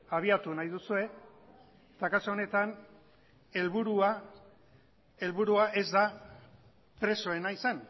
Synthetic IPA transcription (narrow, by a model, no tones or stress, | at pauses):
aβ̞iat̪unajðusue̞ | et̪akasoone̞t̪an | e̞lβuɾua | e̞lβuɾuaʔe̞zd̪a | pɾe̞so̞e̞naisan